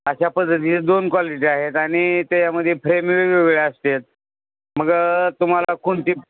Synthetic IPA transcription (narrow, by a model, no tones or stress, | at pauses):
əɕapəd̪ʱːət̪it͡sed̪onkʋaliʈ̬iaɦet̪aɽ̃it̪ejaməd̪ʱːjefɾemʋeʋeɡɭeəst̪et̪̚ | məɡt̪um̤alakʰuɳt̪iː